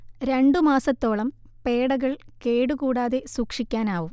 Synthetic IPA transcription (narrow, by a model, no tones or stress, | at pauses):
ɾe̞ɳɖumaːsɐt̪ːo̞ːɭɐm | pe̞ːɽɐɣɐɭke̞ːɽukuːɽaːðe̞suːkʂikʲːaːnaːʋum